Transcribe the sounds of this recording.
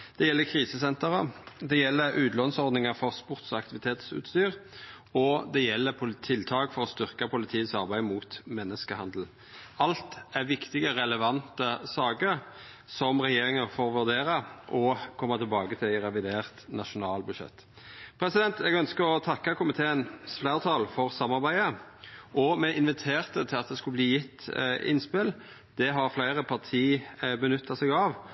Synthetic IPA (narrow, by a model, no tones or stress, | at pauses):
d̪̥ɛjɛlːəkʰʁiːsəsɛnt̪əʁəd̪ɛjɛlːəɾʉːt̪lɔnsɔʁd̪nɪŋəfɔʁspʊʁt̪sɔɑk̚t̪ɪʋɪt̪ʰeːt̪sʉ̰ːt̪st̪yːʁ | ɔd̪ɛjɛlːəpʰʊlt̪ʰɪlt̪ʰɑːkfɔɾɔst̪ʏʁkɑpʰʊlɪt̪ʰiːsɑʁbæɪmuːt̪mɛnːəskəhɑnd̪l̩ | ɑlt̪æʁʋɪkt̪ɪɡəɾɛləʋɑnt̪əsɑːɡəɾ | sɔmʁɛjeːɾɪŋənfoːɾʋʉʁd̪eːɾɑʔɔkʰɔmːɑt̪ʰɪlbɑːɡət̪ʰɪlæɪɾɛʋɪd̪eːʁt̪nɑʂʊnɑːlbʉʃɛ̰t̪ː | pʰɾɛsɪd̪ɛnt̪ɛɡœnskəɾɔt̪ʰɑkːɑkʰʊmɪt̪ʰeːənsflæːʁt̪ʰɑːlfɔʁsɑmːɑʁbæɪəʔɔmɛʔɪnʋɪt̪ʰeːʁt̪ət̪ʰɪlɑt̪̚d̪ɛskʉlbliːjɪt̪ːɪ̰nspɪl | d̪̥ɛɦɑɾflæɪɾəpʰɑʁt̪ʰiːbənʏt̪ʰːɑsɛɡɑʋ